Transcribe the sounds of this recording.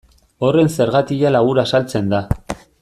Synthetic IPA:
o̞re̞nse̞ɾɣat̪ialaɣuɾasalt͡se̞nd̪a

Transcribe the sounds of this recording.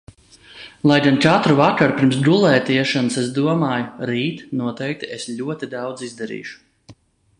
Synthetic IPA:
lˠajɡant͡ʃat̪ɾuvakaɾpʲiɾmsd̪ulˠɛːt̪iɛʃansesd̪uɔmaːjuɾiːt̪nuɔt̪ɛjk̚t̪iesʎʲuɔt̪id̪awd̪zizd̪ɛɾḭːʃu̥

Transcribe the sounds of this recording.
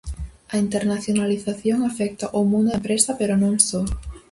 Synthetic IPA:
ɐint̪eɾnaθjonaliθaθjoŋafɛk̚t̪aʔomũnd̪empɾesɐpeɾonõŋso

